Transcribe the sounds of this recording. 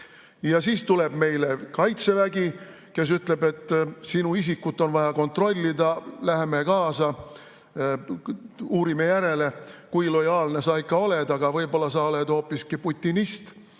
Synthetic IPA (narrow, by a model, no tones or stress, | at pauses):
jɑsiːst̪ule̞b̥me̞jle̞kɑjt̪se̞væɡ̥i | ke̞s̬yt̪le̞be̞t̪ːˑsinuisikːˑut̪ːˑo̞nvɑjɑko̞nt̪ro̞lʲːid̪ɑlæɦemekɑːsɑ | uːɾime̞jæɾe̞le̞kujlo̞jɑːlne̞sɑːikːˑɑo̞led̪̥ɑɡ̥ɑvɤjbo̞lːɑsɑːoled̪o̞ːpːˑiskiput̪ʲːinist̪